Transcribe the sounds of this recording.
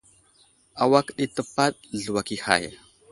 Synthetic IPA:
a˨wa˦ki˦˨t̪ə˨pa˦t̪̚ɮu˨wa˨ki˨ha̰˨jḛ˨

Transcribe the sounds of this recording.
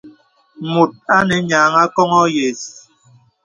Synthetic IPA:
mu˨t̚a˦nɛ˨˦ɲaː˨ŋa˦kɔ˦ŋɔ˦je˨s

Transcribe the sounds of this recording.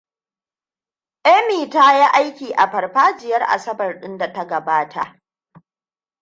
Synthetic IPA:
ʔɛ˦miː˨taː˦jaː˦ʔa˦jkʲiː˨ʔa˨ɸɐ˨rɸaː˦d͡ʒɪ˨jɐ˦rʔa̰˨sɐ˦bɐ˨rɗɪ˦nda˨tɐ˦ɡɐ˨baː˦tʰa̰˨ʔ

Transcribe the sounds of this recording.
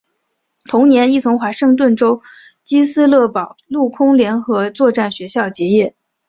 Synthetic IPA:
t̪ʰʊ˧˥ŋnjɛ˧˥ni˥˩t͡sʰʊ˧˥ŋxwa˧˥ʂɤ˥˧ŋt̪̬wə˥˩nʈ͡ʂo˥ʊ | t͡ɕi˥sɹ̩˥lɤ˥˩pɑ˨˩ʊlu˥˩kʰʊ˥ŋljɛ˧˥nxɤ˧˥t͡swɔ˥˧ʈ͡ʂa˥˩nɕɥɛ˧˥ɕjɑ˥˩ʊt͡ɕjɛ˧˥jɛ˥˩

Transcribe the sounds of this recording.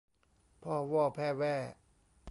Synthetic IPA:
pʰɔː˧˩wɔː˧˥˩pʰɛː˧˩˨wɛː˧˩

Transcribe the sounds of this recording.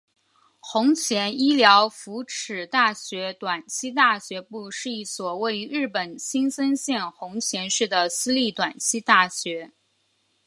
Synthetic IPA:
xʊ˧˥ŋt͡ɕʰjɛ˧˥ni˥ljɑ˧˥ʊfu˧˥ʈ͡ʂʰɻ̩˨˩t̪a˥˩ɕɥɛ˧˥t̪wa˨˩nt͡ɕʰi˥t̪a˥˩ɕɥɛ˧˥pu˥˧ʂɻ̩˥˧i˥˩swɔ˨˩we˥˩ɪy˧˥ɻɻ̩˥˩pə˨˩nɕi˥nsə˥nɕjɛ˥˩nxʊ˧˥ŋt͡ɕʰjɛ˧˥nʂɻ̩˥˩d̪ə˩sɹ̩˥li˥˩t̪wa˨˩nt͡ɕʰi˥t̪a˥˩ɕɥɛ˧˥

